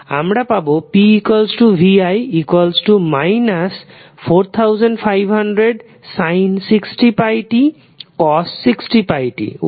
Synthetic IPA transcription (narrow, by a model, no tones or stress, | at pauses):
a̰mɽapabopiːkwalsʈubʱiajikwalsʈumajnas | pʰoɾt̪ʰawzɔnɖpʰajbʱɦanɖɾeɖ | sajnsiksʈipajʈi | kɔssiksʈipajʈḭ